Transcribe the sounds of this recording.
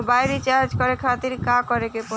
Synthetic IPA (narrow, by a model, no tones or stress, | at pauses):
bajɾit͡ɕaɾd͡ʑkoɾekʰat̪iɾkakoɾekepo